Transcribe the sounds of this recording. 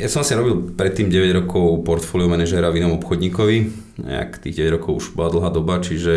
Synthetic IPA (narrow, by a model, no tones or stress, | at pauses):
jasɔmasiɾɔbilˠpɾɛt̪ːiːmɟɛʋɛɟɾɔkɔʊpɔɾt̪fɔːliɔmɛnɛʒɛɾavinɔmɔpxɔd̪ɲiːkɔʋi | ɛ̰a̰kt̪ḭːɣɟɛʋɛɟɾɔkɔʊuʒbɔlad̪l̩ˠɦaːd̪ɔbat͡ʃiʒɛ